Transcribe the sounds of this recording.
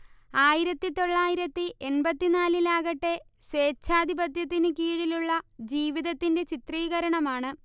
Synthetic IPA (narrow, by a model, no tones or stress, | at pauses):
aːjiɾɐt̪ːit̪o̞ɭːaːjiɾɐt̪ːiʔe̞nbɐt̪ːinaːlilaːɣɐʈːe̞ | seːt͡ɕːaːd̪ʱibɐd̪ʱjɐt̪̬ːinɨkiːɻiluɭːɐd͡ʑiːʋiðɐt̪ːinde̞t͡ɕit̪riːɣɐɾɐɳɐmaːɳɨ